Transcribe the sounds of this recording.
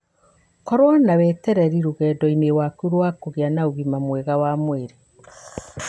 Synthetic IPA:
kɔɾwanawɛtɛɾɛɾiɾuɣɛːdɔinewakuɾwaːkoɣeanauɣimamwɛɣawamweɾe

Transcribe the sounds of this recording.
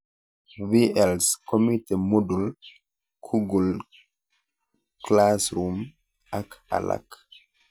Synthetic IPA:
viɛlskomitɛmodul | kʰuɡul | klasɾum | ʔaka̰la̰k

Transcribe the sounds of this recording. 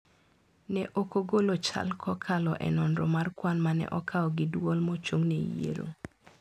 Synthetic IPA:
nɛʔokoɡolot͡ʃa̰lkʰɔkʰalɔʔɛ̰nɔnɾɔmarkwanmanɛ̰ʔɔkʰaɔɡɪdwɔlmɔt͡ʃoŋnejḛɾo̰

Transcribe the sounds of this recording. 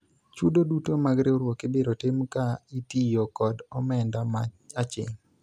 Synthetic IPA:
t͡ʃudodutomaɡɾeoɾwɔkebeɾotemkaitijokɔdɔmɛndaat͡ʃɪ̰ŋ

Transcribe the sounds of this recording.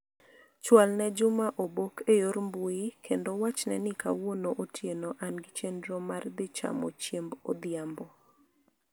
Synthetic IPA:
t͡ʃwalnɛd͡ʒʊmaʔobokʰejoɾmbweikʰendowat͡ʃnɛnɪka̰wonoʔotʰjenoʔanɡɪt͡ʃendɾɔmard̪ɪt͡ʃa̰mo̰t͡ʃjembod̪jambɔ

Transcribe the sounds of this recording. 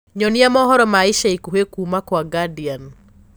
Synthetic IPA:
ɲɔnɪamɔɦɔɾɔmaɪʃaikuɦekumakwaɡadɪjan

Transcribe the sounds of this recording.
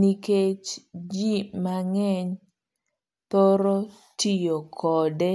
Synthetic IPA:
niket͡ʃd͡ʒimaŋɛɲ | t̪oɾo | tijokʰɔdɛ

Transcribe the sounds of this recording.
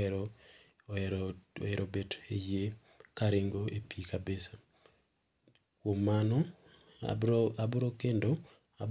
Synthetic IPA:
eɾʔobeteje | kaɾɪŋɡoepʰikabesa | kwomanɔ | abʊɾokendo | a̰b

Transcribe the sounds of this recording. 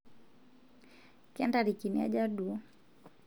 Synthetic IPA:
kɛndaɾikinia̰d͡ʒadu

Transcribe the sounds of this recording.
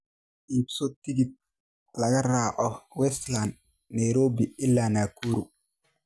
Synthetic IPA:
ʔipsɔt̪ɪɡid̪̚ | lɐɣɐraːʕɔwɛsland̪̚ | nɐjɾɔːbiɪlːaːnaːkʰuɾʊ

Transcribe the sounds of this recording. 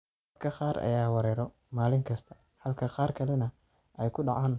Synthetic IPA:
d̪kʰɐqɑːɾɐ̰jaːwɑɾɛːɾɔ | maːlɪŋkʰɐst̪ʰɐ̥ | hɐlkʰɐqɑːrkʰɐlɛnɐ | ʔɛjkʰʊɖɑʕaːn

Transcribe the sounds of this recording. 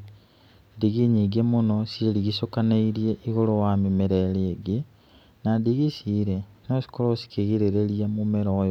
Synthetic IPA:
diɣiɲiɡemonosiliɣisokaneiɾjeʔiɣolowamimeɾelieɡi | nandiɣisiɾenosi̥kolosi̥keɣiɾeɾelijamumeɾoj

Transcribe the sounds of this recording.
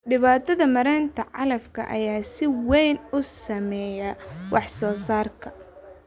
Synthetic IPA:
ɖɪβaːt̪ʰɐðɐmɐɾɛːnt̪ʰɐʕɑlɐfkʰɐ̰ʔɐjaːsɪwɛjnʊsɐmɛjɐwɑħsɔːsaːrkʰɐ̥

